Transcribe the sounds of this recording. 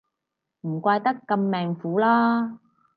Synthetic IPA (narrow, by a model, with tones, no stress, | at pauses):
m̩˨˩kʷaː˧jt̪ɐ˥kːɐ˧mːɛː˨ŋfuː˨˥laː˥